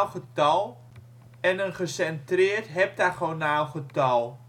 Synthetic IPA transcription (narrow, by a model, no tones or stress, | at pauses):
lχətɑlˠ | ɛnənχəsɛntrɪːɹtɦɛp̚taχonaːlˠχətɑlˠ